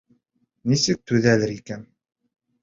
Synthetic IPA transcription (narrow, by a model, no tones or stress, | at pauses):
nisɘk̚t̪ʉðælɘɾikæn